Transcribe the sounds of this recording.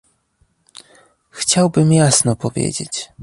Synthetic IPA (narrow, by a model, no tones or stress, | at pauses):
xt͡ɕawbɘmjasnɔpɔvʲjḛd͡ʑḛt͡ɕ